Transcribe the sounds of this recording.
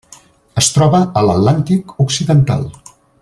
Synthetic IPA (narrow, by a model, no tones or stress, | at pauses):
əst̪ɾɔβəələt̪lant̪ikuksiðənt̪a̰lˠ